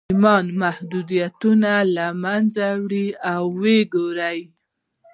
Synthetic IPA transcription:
mɑnmahd̪ud̪ijat̪unalamanzawɽiawːeɡoɾaj

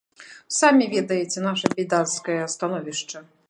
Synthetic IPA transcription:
samʲivʲɛd̪ɐjɛt͡sʲɛnaʂɐpʲid̪anskɐjɐst̪anɔvʲiʂt͡ʂɐ

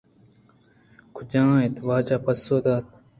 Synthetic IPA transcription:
kʰud͡ʑãːet̪waːt͡ɕaːpɐsːoːd̪aːt̪

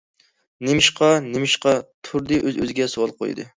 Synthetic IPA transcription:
nɪmɪʃqɑnɪmɪʃqɑt̪ʰuɾd̪ɨʔøzø̰zɪɡʲɛsowɑlˠqʰo̰jd̪ɨ̰

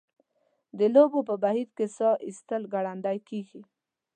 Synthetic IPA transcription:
d̪əlobopəbaɦid̪kesɑʔist̪əlɡaɽand̪ajkeɡi

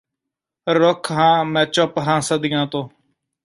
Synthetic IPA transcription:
ɾokʰɦãːmɛ̃ːt͡ʃopɦãːsəd̪ɪjãːt̪õː

